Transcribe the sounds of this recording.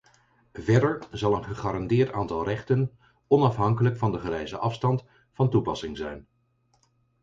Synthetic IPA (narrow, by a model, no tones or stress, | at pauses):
vɛɹdəɹzɑlˠənχəχaːɾɑndɪːɹtaːntɑlˠrɛχtən | ɔnɑfɦɑŋkələkfɑndəχərɛjzəʔɑfstɑnt | fɑntupɑsɪŋzɛjn